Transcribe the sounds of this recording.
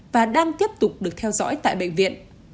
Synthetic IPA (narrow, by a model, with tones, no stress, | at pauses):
vaː˨˩ɗaː˧ŋt̪i˦˥əp̚t̪ʊ˨˩k͡p̚ɗɨ˨˩ək̚t̪ʰɛ˧wzɔ̰˧˥jt̪a̰ː˧˨jɓə̰˧˨jŋ̟vḭ˧˨ən